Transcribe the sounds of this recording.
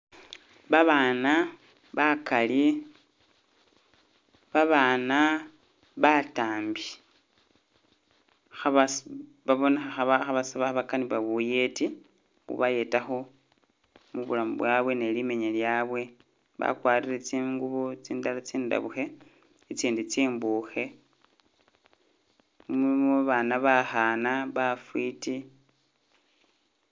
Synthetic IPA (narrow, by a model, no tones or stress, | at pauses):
βaβaːna | βakali | βaβaːna | βataːmbi | xaβa | βaβo̞nexaxaβaxaβasaβaxaβakaniβaβuje̞ti | xṵβaje̞taxo̞ | muβṵlamṵβwaβwe̞ne̞lime̞ɲeljaːβwe̞ | βa̰kwaːɾiɾet͡siːŋɡuβot͡siːndalat͡siːnda̰βuxe̞ | it͡siːndit͡siːmbuxe̞ | ummoβaːnaβaxanaβafwiti